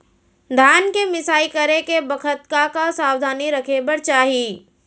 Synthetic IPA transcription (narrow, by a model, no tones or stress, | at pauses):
d̪ʱaːnkemɪsaːikəɾekebəkʰət̪kakasaːwd̪ʱaːniɾəkʰebəɾt͡ʃaːɦiː